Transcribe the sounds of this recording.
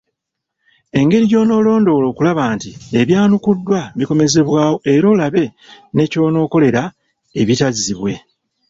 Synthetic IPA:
e̞ŋɡe̞ɾiɟo̞ːno̞ːlo̞ːndo̞lo̞ːkulaβaːntie̞βjaːnukudːwaβiko̞me̞ze̞βwaːwoe̞ɾo̞ːlaβe̞ne̞ːco̞ːno̞ːko̞le̞ɾa | e̞βitaziβwe̞

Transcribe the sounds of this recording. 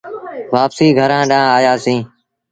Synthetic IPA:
ʋaːpsiːɡʱəɾãːɗãːaːjaːsĩː

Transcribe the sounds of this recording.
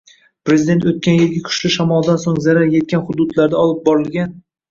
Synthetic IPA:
pɾezɪd̪e̞nt̪ot̪̚kʲanjɪlɡʲakʲʰʊ̥ʃlɪʃamɒlˠd̪ansoŋzaɾaɾje̞t̪̚kʲanχʊd̪ʊd̪laɾd̪aɒlˠɪp̚bɒɾɪlˠɡʲan

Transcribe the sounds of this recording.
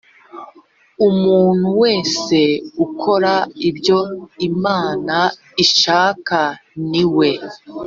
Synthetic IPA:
umuːn̥huwe̞ːse̞ukʰo̞ɾaibjo̞imaːna | iʃaːkaniwe̞

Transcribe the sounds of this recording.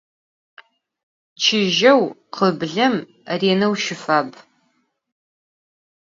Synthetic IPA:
t͡ʃʰɪʒɐwqʰəbɮɐm | reːnɐwʃɪfaːb

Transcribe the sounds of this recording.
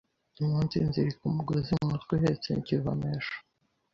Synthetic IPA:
imuːnzinziɾikumuɡozimŋatkwihet͡sḛniciva̰meʃo̥

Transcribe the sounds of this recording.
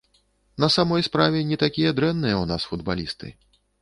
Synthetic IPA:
nɐsamɔjspɾavʲɛnʲɛt̪akʲijɐd̪ɾɛnːɨjɐunasfud̪ba̰lʲist̪ɨ̰

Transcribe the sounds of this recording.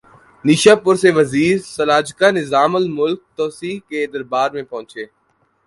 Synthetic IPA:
niːʃaːpʊɾseʋəziːɾsəlaːd͡ʒkanɪzaːməlmʊlk̚t̪ɔːsiːɦked̪əɾbaːɾmẽpɐ̃ɦʊ̃t͡ʃeː

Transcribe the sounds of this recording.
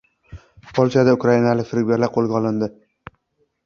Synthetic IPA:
pʰolˠt͡ʃʰad̪aʊkɾainalɪkʲfɪɾɡʲeɾlaɾqʰolˠɡʲaɒlˠɪnd̪ɪ

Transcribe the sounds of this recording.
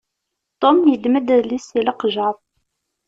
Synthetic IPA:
t̪ˤomjəd̪məd̪ðlisilɑqʒɑð

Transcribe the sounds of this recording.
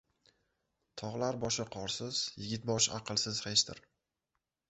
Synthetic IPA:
t̪ʰɒʁlaɾbɒʃɪqʰɒɾsɪz̥jɪɡʲɪt̪̚bɒʃa̰qʰɨlˠsɪzhet͡ʃt̪ɪɾ

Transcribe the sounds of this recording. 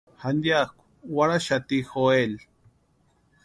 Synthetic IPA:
hand̪jakʷ | waɾaʃat̪ixoel

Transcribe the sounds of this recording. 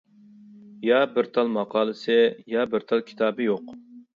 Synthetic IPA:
jɑbɪɾt̪ʰɑlˠmɑqʰɑːlˠɨsɪjɑbɪɾt̪ʰɑlˠkʲʰi̥t̪ʰɑːbɨjoq

